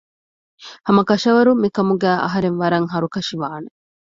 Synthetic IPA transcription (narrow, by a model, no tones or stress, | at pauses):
hɐmɐkɐʃɐʋɐɾumikɐmuɡæːʔɐ̰ɦɐɾenʋɐɾɐŋɦɐɾukɐʃiʋaːne